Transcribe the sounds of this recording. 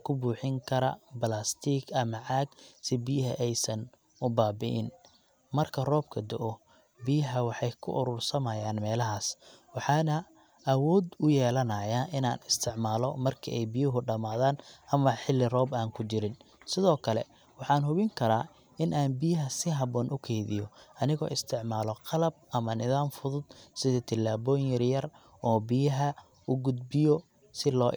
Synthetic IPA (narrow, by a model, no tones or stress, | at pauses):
kʰʊbuːħɪŋkʰɐɾɐ̰bɐlaːst̪ʰiːkʰɐmɐʕaːɡsɪbijɦɐʔɛjsɐn | ʊbaːbɪʔɪ̰n | mɐrkʰɐrɔːb̚kʰɐd̪ɔʔɔ | bijɦɐwɑħɑjkʰʊ̰ʔʊɾʊrsɐmɐjaːnmɛːlɐɦaːswɑħɑːnɐ | ʔɐwɔːd̪ʊjɛːlɐnɐjaʔɪnaːnɪst̪ʰɪʕmaːlɔmɐrkʰɐʔɛjbijʊɦʊɖɐmaːðaːnʔɐmɐħɪlːɪrɔːbaːŋkʰʊt͡ʃɪɾɪnsɪðɔːkʰɐlɛ̰ | wɑħɑːnhʊβɪŋkʰɐɾa̰ː | ɪnʔaːnbɪjɐɦɐsɪɦɐβɔːnʔʊkʰɛjðɪ̰jɔɐnɪɣɔ̰ːʔɪst̪ʰɪʕmaːlɔqɑlɐb̚ʔɐmɐnɪðaːmfʊðʊd̪̥sɪðɐt̪ʰɪlːaːβɔːjjɐrjɐr | ɔːbɪjɐɦɐ | ʊɡʊd̪bɪjɔ | sɪlɔː